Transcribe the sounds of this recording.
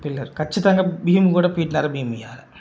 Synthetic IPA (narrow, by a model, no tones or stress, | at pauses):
pɪlːɐɾkɐt͡ʃːɐt̪ːaŋɡɐbiːmkuːɽɐpiːʈnaːɾɐbʱiːmijaːɾɐ